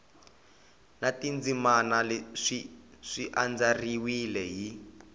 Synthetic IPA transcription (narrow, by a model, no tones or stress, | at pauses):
natind͡zimanaleʂiʂiʔand͡zariwilɛɦi